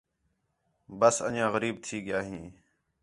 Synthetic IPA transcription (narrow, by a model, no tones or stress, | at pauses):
bəsə̰ɲãːɣəɾiːb̚t̪ʰiːɠɪjaːɦĩː